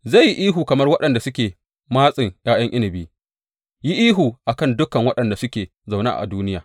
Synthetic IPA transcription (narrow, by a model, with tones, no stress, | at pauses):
za˦˨jːi˦ʔiː˦ɦuː˨kɐ˨mɐ˦rwɐ˦ɗɐ˨nda˨sʊ˦kʲeː˨ | maː˦sʼɪ˨ŋjaː˦jɐ˦ŋʔɪ˦nɪ˨biː˦ | ji˦ʔiː˦ɦuː˨ʔa˨kɐ˦˨ndʊ˦kɐ˨ŋwɐ˦ɗɐ˨nda˨sʊ˦kʲeː˨ | za˨wna̰˦˨ʔa̰˨duː˦nɪ˦jaː˨